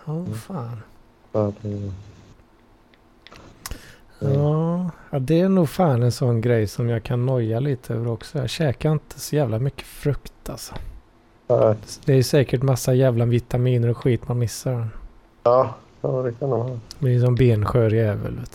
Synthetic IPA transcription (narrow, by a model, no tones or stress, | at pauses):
aːfaːn | adɛ | ɑːad̪ɛæɳuːɡfaːnɛnsɔnːɡɾɛjsɔmjaːɡkʰanːɔjːaliːt̪ʰəø̰ːvəɾɔksɔjɑ̰ːɕɛːkaɾɪnt̪ʰə̥sɔjæːvlamʏkːə̥fɾɵkt̪ʰalsɔ̥ | nɛsd̪ɛæɾjɵsɛːkəʈmasːajæːvlavɪt̪amiːnəɾɔɧiːt̪manmɪsːaɖɛn | ɑː | ɑːd̪ɛkʰand̪umhɑːmd̪ɛsɔmbeːnɧøːɾɪɛːvə̰lɛ̰ːt̪